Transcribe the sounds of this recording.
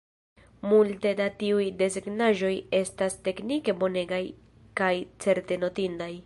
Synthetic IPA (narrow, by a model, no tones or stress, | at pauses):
multe̞datiujde̞ziɡnaʒo̞je̞staste̞knike̞bo̞ne̞ɡaj | kajt͡se̞ɾte̞no̞tindaj